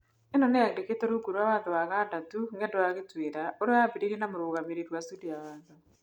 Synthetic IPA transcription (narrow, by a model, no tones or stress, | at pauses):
enonejaɣɾeketoɾuɡuɾwaβaːntuβaɣadatuŋɡendoaɣitwiːɾaoɾoaːpiɾiɾinamuɾuɣamiɾiɾwasudijaβaːntu